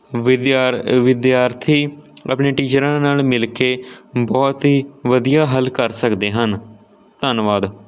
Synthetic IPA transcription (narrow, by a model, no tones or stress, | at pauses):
ʋɪd̪aʋɪd̪jaːɾt̪ʰiːə̰pɳeːʈiːd͡ʒəɾãːnaːlmɪlkeːbɔːt̪ɦiːʋəd̪ijaːɦəlkəɾsəkd̪eːɦən | t̪ənʋaːd̪